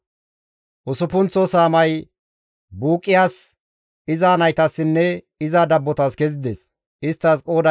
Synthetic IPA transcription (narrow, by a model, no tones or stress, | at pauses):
ʔʊsʊpʊnt͡sːɔsaːmɐj | buːkʼːɪjaːs | ɪzaːnɐjt̪ɐsːɪnːɛ | ɪzad̪ɐbːɔt̪ɐskɛzɪd̪eːs | ɪst̪ːɐskʼo̞ːd̪ɐ